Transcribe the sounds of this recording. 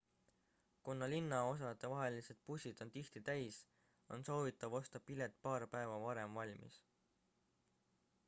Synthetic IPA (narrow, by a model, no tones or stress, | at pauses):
kunːɑlinːɑo̞s̬ɑt̪e̞vɑɦe̞lise̞d̪̥̚pusʲid̪̥o̞nt̪iht̪it̪æjs | o̞̰nso̞ːvit̪ːˑɑvo̞st̪ɑpilet̪̚ːˑpɑːɾpæe̞vɑvɑɾe̞mvɑlʲmḭs